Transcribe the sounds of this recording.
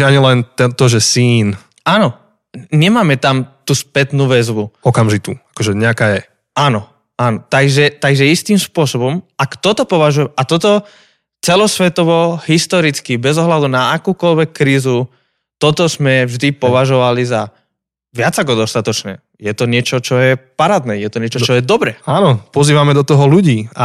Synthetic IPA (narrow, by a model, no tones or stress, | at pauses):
aɲilɛnt̪ɛt̪ɔʒɛsiːn | anɔ | ɲɛmaːmɛt̪amt̪uːspɛt̪nuːʋɛzʋuɔkamʒit̪uːakɔʒɛɲɛakaːjɛ | anɔ | anɔt̪aɡʒɛt̪aɡʒɛist̪imspʊɔsɔbɔmakt̪ɔt̪ɔpɔʋaʒujɛmɛʔat̪ɔt̪ɔ | t͡sɛlɔsʋɛt̪ɔʋɔɦist̪ɔɾit͡skibɛzɔɦlad̪unaakuːkɔʎʋɛkːɾiːzu | t̪ɔt̪ɔzmɛvʒd̪ipɔʋaʒɔʋaliza | ʋɪad͡zakɔd̪ɔst̪at̪ɔt͡ʃnɛ̰ː | jɛt̪ɔɲɪɛt͡ʃɔt͡ʃɔjɛpaɾaːd̪nɛːjɛt̪ɔɲɪɛt͡ʃɔt͡ʃɔjɛd̪ɔbɾɛaːnɔpɔziːʋamɛd̪ɔt̪ɔɦɔluɟiːa